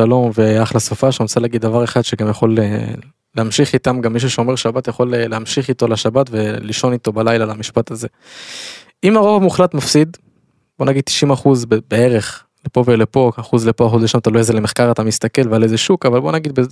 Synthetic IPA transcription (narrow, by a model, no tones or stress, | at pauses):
alo̞mveaaaχlasofaʃtaosaleaɡid̪ːavaʁeχad̪ʃeɡamjaχo̞lḛ | leamʃiχit̪amɡamːiʃ̬uʃeo̞me̞ʁʃabat̪jaχo̞lleamʃiχito̞laʃabatve̞liʃo̞nit̪o̞balajlalamiʃpataze̞ | imaʁo̞vamuχlat̪mafsid̪ | bo̞naɡid̪̚t̪i̥ʃimaχuzbebee̞ʁe̞χ | lepo̞velepo̞aχuzlepoaχodeʃamat̪alujezelemeχkaʁat̪amist̪ake̞lvealejzeʃukavalbo̞naɡid̪̚be